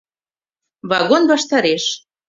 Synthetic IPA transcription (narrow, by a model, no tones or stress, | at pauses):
βɑɣonβɑʃt̪ɑɾeʃ